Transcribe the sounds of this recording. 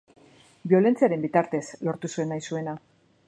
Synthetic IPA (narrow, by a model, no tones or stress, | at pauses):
bio̞le̞nt͡siaɾe̞mbit̪aɾt̪e̞slo̞ɾt̪usue̞nːajsue̞na